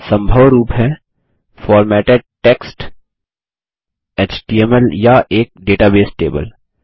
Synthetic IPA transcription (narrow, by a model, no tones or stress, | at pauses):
sɐ̃mbʱəʋɾuːpɦɛ | fɔːɾmɛːʈeɖ̚ʈeːksʈ | eːt͡ʃʈiemɛljaʔeːk̚ɖeːʈabeːsʈḛːbə̰l